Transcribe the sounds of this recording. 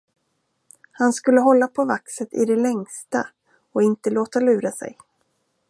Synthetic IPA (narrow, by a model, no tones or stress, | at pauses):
hanskɵlːəɦɔlːapʰɔvaksət̪ɪ̰d̪ɛlɛŋst̪a̰ | ɔɪnt̪əloːt̪alʉ̟ːɾasɛ̰j